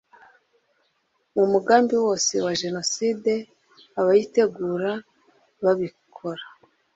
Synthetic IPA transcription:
mumuɡaːmbiwo̞ːse̞waʒe̞no̞siːde̞ | aβajite̞ɡuːɾa | βaβikʰo̞ɾa

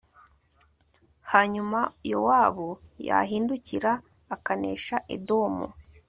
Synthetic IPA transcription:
haːɲumajo̰waːβoja̰ɦiːnduciɾaː | kanḛːʃaʔḛdomṵ

